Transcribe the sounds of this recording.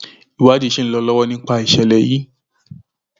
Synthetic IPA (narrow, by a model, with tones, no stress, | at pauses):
i˨wa˨˦dĩ˦˧˦ʃe˦n̩˦lɔ˧˦lɔ˦wɔ˦nĩ˧˦k͡pa˦˧˨i˨ʃɛ˨lɛ˨ji˦